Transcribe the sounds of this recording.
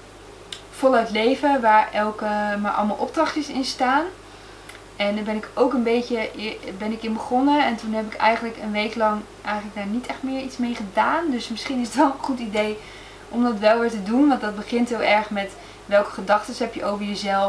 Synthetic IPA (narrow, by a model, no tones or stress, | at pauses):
fɔlˠœɥtlejvəʋaːɹɛlˠkəmaːɹʔɑ̰lˠmɑalˠʔɔb̚drɑχtəsɪ̰nstaːn | ɛndaːɹbɛnɪkowkənbejtəbɛnɪkɪnbəχɔnəɛntunɦɛp̬ɪkɛ̰jχənləkənʋejklɑŋ | ʔɛjχənləɡ̚daːɹnitɛχtmɪːɹitsmejχədaːndɵsmɪsχinɪsətʋɛlˠənχutidej | ʔɔmdɑtʋɛlˠʋɪːɹtədunʋɑntdɑd̚bəχɪntɦɪlˠɛɹχmɛt | ʋɛlˠkə̥χədɑχtəsɦɛpjəʔowvəɹjəzɛlˠ